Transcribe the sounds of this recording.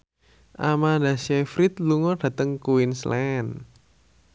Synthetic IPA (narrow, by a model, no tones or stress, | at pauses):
ʔamadasɛfɾit̪luŋɔɖ̥ä̤t̪əŋkuwinslɛn